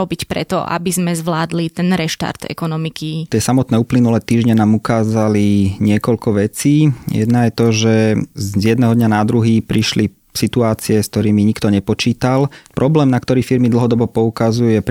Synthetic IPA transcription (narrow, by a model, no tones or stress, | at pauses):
ɔbicpɾɛ̰t̪ɔ̰ʔa̰bizmɛzʋlaːd̪lit̪ɛnɾɛʃt̪a̰ɾd̪̥ɛ̰kɔnɔmikit̪ɪɛsamɔt̪nɛːuːplinulɛːt̪iːʒɲɛnaːmukaːzaliɲɪɛkɔʎkɔʋɛt͡siːjɛ̰d̪najɛt̪ɔʒɛzjɛd̪nɛɦɔd̪ɲanad̪ɾuɦiːpɾiʃli | sit̪uaːt͡siɛskt̪ɔɾiːmiɲikt̪ɔɲɛpɔt͡ʃiːt̪alpɾʔɔblɛːmnakt̪ɔɾiːfiɾmid̪l̩ɦɔd̪ɔbɔpɔukazuujɛp